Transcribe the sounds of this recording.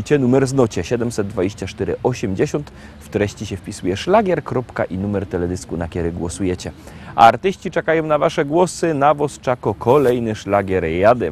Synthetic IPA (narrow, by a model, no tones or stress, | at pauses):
t͡ɕɛnumɛɾznɔt͡ɕɛɕɛd̪ɛmsɛd̪̚d̪ːvad͡ʑeɕt͡ɕat͡ʂt̪ɛɾɘ̰ʔɔɕɛmd͡ʑeɕɔnt̪ | ft̪ɾɛɕt͡ɕiɕɛfpʲisujɛʂlaɡʲjɛɾkɾɔpka̰ʔinumɛɾt̪ɛlɛd̪ʲɘskunakʲɛɾɘɡwɔsujɛt͡ɕɛ | a̰ɾt̪ɘɕt͡ɕit͡ʂɛkajɔ̃w̃navaʂɛɡwɔsɘnavɔst͡ʂakɔkʰɔlɛjnɘʂlaɡʲɛɾjad̪ɛ